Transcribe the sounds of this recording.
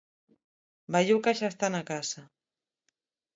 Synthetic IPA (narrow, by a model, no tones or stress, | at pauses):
baʎuwkaʃast̪anakasa